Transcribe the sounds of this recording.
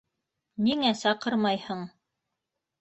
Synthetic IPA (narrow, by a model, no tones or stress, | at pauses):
niŋæsɑqɤɾmɑjhɤɴ